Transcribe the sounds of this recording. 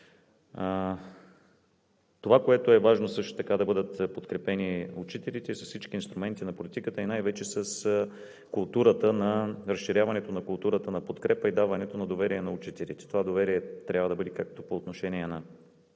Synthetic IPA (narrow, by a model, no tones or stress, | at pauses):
t̪ovakoɛt̪oɛvaʒnosɤʃt̪o̥t̪ɐkad̪ɐbɤd̪ət̪pot̪kɾɛpɛniut͡ʃit̪ɛlit̪ɛsɐsfsit͡ʃk̟iːnst̪ɾʊmɛnt̪inɐpolit̪ikət̪əinajvɛt͡ʃɛsəs | kʊlˠt̪uɾət̪ənɐɾəsʃiɾʲjavɐnɛt̪onɐkʊlˠt̪uɾət̪ənɐpot̪kɾɛpəid̪avɐnɛt̪onɐd̪ovɛɾiɛnɐut͡ʃit̪ɛlḭt̪ɛ̥t̪ovad̪ovɛɾiɛt̪ɾʲabvəd̪ɐbɤd̪ɛkak̚t̪opoːt̪noʃɛniɛnɐ